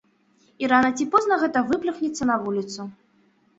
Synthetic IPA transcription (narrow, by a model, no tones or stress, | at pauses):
iɾanɐt͡sʲipɔznɐɣɛt̪ɐvɨplʲɨxnʲit̪sːɐnɐvulʲit̪su